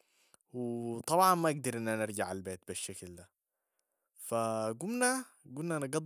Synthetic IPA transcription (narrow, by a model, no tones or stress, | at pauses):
wɪt̪ˤɑbʕɑnmaʔaɡd̪ɑɾˤʔɪnːʔænɪɾɡaʕalbeːt̪̚bɪʃːakld̪æ | faɡumna | ɡumnaʔnɑɡɑd̪ˤ